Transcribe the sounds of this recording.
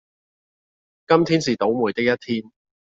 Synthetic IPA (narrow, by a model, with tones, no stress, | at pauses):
kɐ˥mt̪ʰiː˥nsiː˨˩t̪o˨˥wmuː˨˩jt̪ɪ˥k̚jɐ˥t̪ʰiː˥n